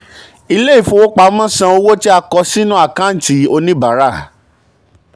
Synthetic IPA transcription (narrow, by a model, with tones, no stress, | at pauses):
i˧le˦i˦˨fũ˧˦wo˦k͡pa˧˦mã˦sã˧o˧wo˦ti˦a˧kɔ˧si˦nũ˦a˦˨kã˦n̩˨ti˨˦o˧nĩ˦ba˨˦ɾa˦˨